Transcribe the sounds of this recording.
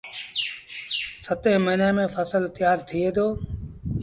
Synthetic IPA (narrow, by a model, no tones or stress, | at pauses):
sət̪eːməneːmẽːfəsəlt̪ɪjaːɾt̪ʰieːd̪oː